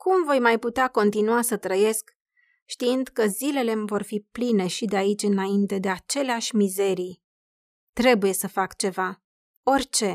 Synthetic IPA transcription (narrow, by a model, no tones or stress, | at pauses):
kumvo̞jmajput̪eako̞nt̪inuasət̪ɾəje̞sk | ʃt̪iɨnd̪kəzile̞le̞mvo̞rfipline̞ʃid̪eait͡ʃʲɨnaint̪e̞d̪e̞at͡ʃe̞leaʃʲmize̞ɾij | t̪ɾe̞buje̞səfakt͡ʃe̞va | o̞rʲt͡ʃe̞